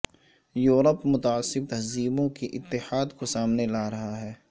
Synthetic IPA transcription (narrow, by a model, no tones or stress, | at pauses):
juːɾəpmʊt̪aːsːɪb̚t̪ɐɦziːbõkiʔɪt̪ːɪhaːd̪kosaːmnelaːɾɐɦaɦɛː